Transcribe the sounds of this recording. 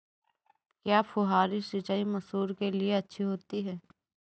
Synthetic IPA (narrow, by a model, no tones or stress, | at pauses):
kjaːpʊɦaːɾisɪt͡ʃaːimɐsuːɾkelieɐtːʃʰiɦoːt̪iɦɛː